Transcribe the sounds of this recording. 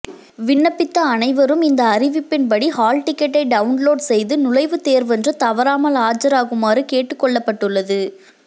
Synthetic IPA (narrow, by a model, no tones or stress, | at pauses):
ʋɪɳːɐpːɪt̪ːɐːnɐɪʋɐɾɯmɪnd̪ɐːɾɪʋɪpːɪnpɐɽihaːlʈɪkːɐʈːɐɪɖɐʋʊnloːɖsɛjðɯnʊɻɐɪʋɯt̪eːɾʋɛndrɯt̪ɐʋɐɾaːmɐlaːd͡ʒɐɾaːɣɯmaːɾɯkeːʈːɯkːɔɭːɐpːɐʈːɯɭːɐðɯ